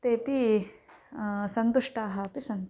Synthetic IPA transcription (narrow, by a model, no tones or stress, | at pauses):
t̪eːpi | sɐnt̪uʂʈaːɦɐpisɐnt̪